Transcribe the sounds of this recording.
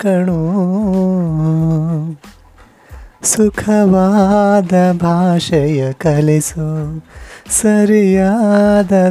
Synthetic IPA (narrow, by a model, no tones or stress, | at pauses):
kɐɳu | sukʰɐʋad̪ɐbʱaːʃɐjɐkɐlisu | sɐɾijad̪ɐ